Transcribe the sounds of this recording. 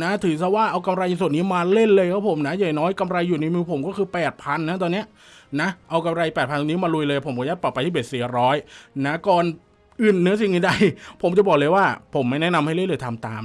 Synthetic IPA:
na˦˥t̪ʰɯː˩˦sa˧˩waː˥˩ʔa˧wka˧mɾa˧jna˧su˨˩əniː˦˥maː˧le˥˩nlɤː˧jkʰa˦˥pʰo˩˦mna˦˥ja˨˩nɔː˦˥jka˧mɾa˧jːuː˨˩na˧jmɯː˧pʰo˩˦mkɔː˥˩kʰɯː˧pɛː˨˩t̪̚pʰa˧nːa˦˥t̪ɔː˧nːi˦˥ɐ | na˦˥ʔa˧wka˧mɾa˧jpɛː˨˩t̪̚ʰa˧nt̪ʰːniː˦˥maː˧lu˧jlɤː˧jpʰo˩˦mkʰɔː˧˦jaː˥˩k̚pa˨˩pa˧t̪ʰiː˥˩e˨˩si˨˩˦ɾɔː˦˥jna˦˥kɔː˧n | ʔɯ˨˩nːɯ˦˥ɐs̬i˨˩ŋni˧˦˩da˥˩jpʰo˩˦mt͡ɕa˨˩bɔː˨˩k̚lɤː˧jwaː˥˩pʰo˩˦mːa˥˩jnɛ˦˥ʔna˧mha˥˩jle˥˩nlɤː˧t̪ʰa˧mt̪a̰ː˧m

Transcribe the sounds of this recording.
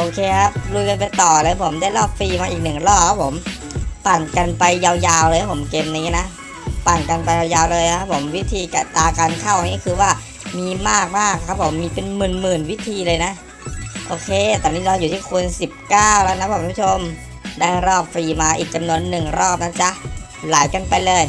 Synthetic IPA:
ʔoː˧kʰeː˧kʰa˦˥p̚lu˧jka˧npa˧jt̪ɔː˨˩lɛː˦˥wpʰo˩˦mdaː˥˩jɾɔː˥˩p̚fiː˧maː˧ʔiː˨˩k̚nɯ˨˩ŋɾɔː˥˩p̚ʰːa˦˥pʰo˩˦m | pa˨˩nka˧npa˧jːaː˧wjaː˧wlɤː˧tʰa˦˥˩po˩˦mkeː˧mna˧i˦˥˩na˦˥ʔ | pa˨˩nka˧npa˧jaː˧wjaː˧wlɤː˧jʰa˦˥pʰːo˩˦mwi˦˥t̪ʰiː˧ka˨˩t̪aː˧kaː˧nkʰaː˥˩wa˧iː˥˩kʰɯː˧waː˥˩ | miː˧maː˥˩k̚maː˥˩kʰːa˦˥p̚ʰːo˩˦mːiː˧pe˧nmɯː˨˩nmɯː˨˩nwi˦˥t̪ʰiː˧lɤː˧jna˦˥ʔ | ʔoː˧kʰeː˧t̪ɛː˨˩niː˦˥lɔː˧juː˨˩iː˥˩kʰu˧ənsi˨˩p̚kaː˥˩wlɛː˦˥˩wna˦˥pʰku˧˦pu˥˩o˧m | daː˥˩jɾɔː˥˩p̚fiː˧maː˧ʔiː˨˩k̚t͡ɕa˧mnu˧ənːɯ˨˩ŋɾɔː˥˩p̚na˦˥t͡ɕa˦˥ʔ | laː˩˦jka˧npa˧jlɤː˧j

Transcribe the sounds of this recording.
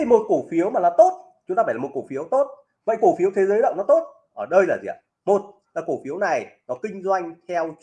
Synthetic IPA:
mo˨˩t̚ko˧˩fi˨˦əwmaː˨˩laː˨˩t̪o˦˥t̚ | t͡ɕʊ˦ŋ͡mt̪aː˧aː˧˩jmo˨˩t̚ko˧˩fi˨˦əwt̪o˦˥t̚ | və̰˧˨jko˧˩fi˨˦əwt̪ʰe˨˦zəː˨˦jɗə̰˧˨wnɔ˨˦t̪o˦˥t̚ | ʔəː˧˩ɗə˧jlaː˨˩zḭ˨a̰˨˩ | mo˨˩t̚ | laː˨˩ko˧˩fi˨˦əwna˨˩jnɔ˨˦kï˧ŋ̟zwa˧jŋ̟t̪ʰɛ˧w

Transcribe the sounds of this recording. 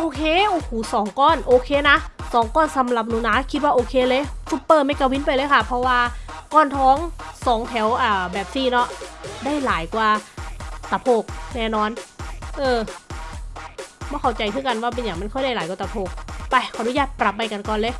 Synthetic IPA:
ʔoː˧kʰeː˧˨ʔoː˧kuː˨˩˦sɔː˨˦ŋkɔː˧˥˩nʔoː˧kʰeː˧˥na˦˥sɔː˨˦ŋkɔː˧˥˩nsa˨˦mla˨˩p̚nuː˨˦naː˦˥kʰi˦˥t̪̚waː˧˩ʔoː˧kʰeː˧lɤː˧˥˨su˧˦pːɤː˧˩ma˧˥˩jka˧wi˦˥npa˧jlɤː˧˥˦jkʰa˧˥˩pʰɔ˧waː˧kɔː˧˩nt̪ʰɔː˦˥ŋsɔː˨˩˦ŋt̪ʰɛ˩˦wʔaː˨˩bɛː˨˩p̚siː˧˩nɔ˦˥ʔdaː˥˩jlaː˨˩˦jkwaː˧ | t̪a˨˧˩pʰoː˧˩k̚nɛː˥˩nɔː˧˩nʔɤː˧ | bɔː˧˦˩kʰa˨˩wt͡ɕa˧jkʰɯː˧˩˨ka˧nwaː˧˩pe˧njaː˨˩ŋma˧˥˩nkʰɔ˥˩jda˥˩jaː˨˦jka˧˩t̪a˨˩pʰoː˧˩k̚pa˧˩jkʰa˨˩duː˧˦jaː˧˩t̚pɾa˨˩p̚ːa˧jka˧nkɔː˨nlɤː˧˥˨

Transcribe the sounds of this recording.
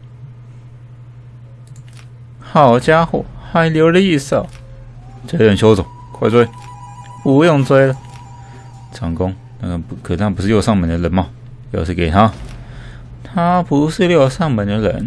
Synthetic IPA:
xɑ˨˩ʊt͡ɕja˥xṵ˥˨˩xa˧˥ɪljo˧˥ʊdə˧i˥˧sɑ˥˩ʊ | t͡ɕa˧˥jo˨˩ŋɕjo˥ʊt͡sʊ˨˩˦ŋ | kʰwa˥˧ɪt͡swe˥ɪ | pu˧˥jo˥˧ŋt͡swe˥ɪlə˨ | ʈ͡ʂɑ˨˩ŋkʊ˥ŋ | na˥˩ɡə˨˧˥kʰɤ˨˩a˥˧pu˧˥ʂɻ̩˥˧jo˥˧ʊsɑ˥˩ŋmə˨˩nd̪ə˧lə˧˥nmɐ˨˧ | jo˥˧ʂ̩ʰ˥˧ke˨˩ɪt̪ʰa˦˥ | t̪ʰa˥pu˧˥ʂɻ̩˥˧ljo˥˧ʊsɑ˥˧ŋmə˨˩nd̪ə˧lə̰˧˥n

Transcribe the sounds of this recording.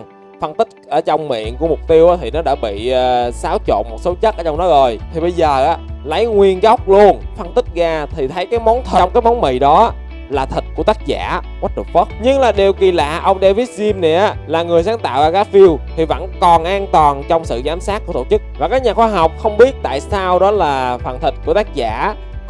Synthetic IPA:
fə˧nt̪ï˦˥k̚ʔəː˧˩t͡ɕɔ˧wŋ͡mmḭ˧˨ənku˧˩əmʊ˨˩k͡p̚t̪i˧əwʔaː˨˦t̪ʰi˨˩nɔ˨˦ɗaː˧˩ɓḭː˧˨˩saː˨˦wt͡ɕo̰˧˨nmo˨˩t̚so˨˦t͡ɕə˦˥t̚ʔəː˧˦t͡ɕɔ˧wŋ͡mnɔ˨˦zo˨˩jt̪ʰi˨˩ɓə˧jzəː˨˩ʔaː˨˦lə˨˦jŋwi˧ənɣɔ˦˥wk͡p̚lu˧ənfə˧nt̪ï˦˥k̚ɣaː˧t̪ʰi˨˩t̪ʰə˨˦jkaː˨˦jmɔ˨˦nt̪ʰə˨˩˧ŋ͡mkaː˨˦jmɔ˨˦wnmḭ˨jɗɔ˨˦a˦ | laː˨˩t̪ʰi˨˩t̚ku˧˩ət̪aː˦˥k̚za̰ː˧˥˨ | kwa˦˥t̚ɗɨ˨˩ək̚fə˦˥t̚ɲɨ˧ŋlaː˨˩ɗe˨˩wki˨˩la̰ː˨˩ʔə˧wŋ͡mɗɛ˧vi˦˥t̚zi˧mnɛ˨˩ʔa˨˦laː˨˩ŋɨ˨˩əjsaː˨˦nt̪a̰ː˧˨wɣaː˧ɣaː˨˦˥fi˧əwt̪ʰi˨˩və̰˧˥nkɔ˨˩nʔaː˧nt̪wɔː˨˩nt͡ɕɔ˧wŋ͡msɨ̰˧˨zaː˨˦msaː˦˥t̚kːu˧˩ə˦t̪o˧˩t͡ɕɨ˦˥k̚vaː˨˩kaː˦˥k̚ɲaː˨˩xwaː˧ɦɔ˨˩wk͡p̚xə˧wŋ͡mɓi˦˥ət̚t̪a̰ː˧˨jsaː˧wɗɔ˨˦laː˨˩faː˨˩nt̪ʰï˨˩t̚ku˧˩ət̪aː˦˥k̚za̰ː˧˥

